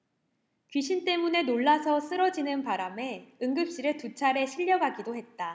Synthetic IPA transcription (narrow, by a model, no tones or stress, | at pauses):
kɥiɕ̬ʰint͈e̞mune̞noɭːasʰʌs͈ɯɾʌd͡ʑinɯnpaɾame̞ɯŋɡɯp̚ɕ͈iɾɯɭtut͡ɕʰaɾe̞ɕʰiʎːʌɡaɡidohe̞t̚t͈a